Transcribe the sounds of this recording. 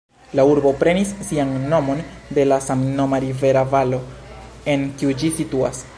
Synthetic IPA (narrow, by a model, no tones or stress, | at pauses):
lauɾbo̞pɾe̞nisːianːo̞mo̞nde̞lasamno̞maɾive̞ɾavalo̞ | e̞ŋkiud͡ʒisitua̰s